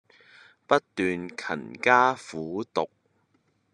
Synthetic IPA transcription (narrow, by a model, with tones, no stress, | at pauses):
pɐ˥t̚t̪yː˨nkʰɐ̰˨˩nkaː˥fuː˨˥t̪ʊ˨k̚